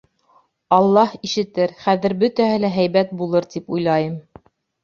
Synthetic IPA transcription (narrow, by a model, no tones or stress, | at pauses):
ɑlˠːɑhiʃɘ̆t̪ɘɾχæðɘ̆ɾbɵt̪æhɘlæɦæjβæt̪̚bulˠɤɾt̪ipujlˠɑjɤm